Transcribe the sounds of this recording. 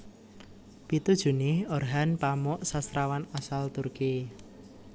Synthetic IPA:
pit̪ud̥ʒ̥ṳnɪhɔrɦanpamɔʔsast̪ɾawanasalt̪urki

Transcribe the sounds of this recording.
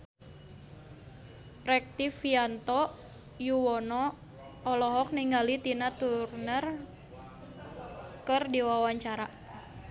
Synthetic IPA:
rɛk̚t̪ifiant̪ɔ | juwɔnɔː | lɔɦɔk̚niŋɡalit̪inat̪urnər | kərdiwawaɲt͡ʃaɾa

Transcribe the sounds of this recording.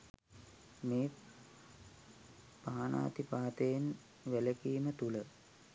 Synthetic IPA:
meː | paːana̰ːt̪ipaːt̪əjen | ʋæləkiːmət̪ulə

